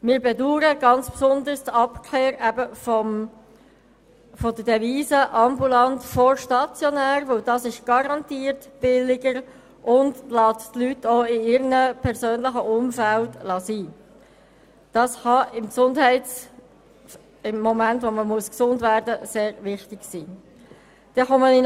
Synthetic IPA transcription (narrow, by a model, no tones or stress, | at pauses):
mɪːɾbɛduːɾəɡɑnt͡spsʊnd̪əɾstɑpkʰleːɾæbəfɔm | fɔdədɛviːsəʔɑmbulɑntfɔɾʃtɑt͡sjɔnæːɾvɵwdɑsɪʃɡ̥ɑɾɑntiːɾtb̥ɪlɪɡəɾ | ʔʊndlɑːttlytʰːoːɪɪɾənəpʰɛɾsøːnlɪχəʔʊmfæltlɑsiː | d̥ɑshɑɪmksʊndɦɛɪ | ɪmːɔmæntʋoməmuəsksʊndvæɾdəseːɾvɪχtɪɡ̥siː | d̪̥ɛχɔmənɪn